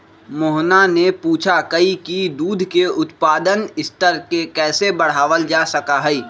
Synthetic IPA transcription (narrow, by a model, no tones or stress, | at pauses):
mʊɦnanepuːt͡ʃʰakɐikid̪uːd̪ʱkeʊt̪paːd̪ənɪst̪əɾkekɛːsebɐɽ̤aːʋəld͡ʒaːsɐkaɦɛiː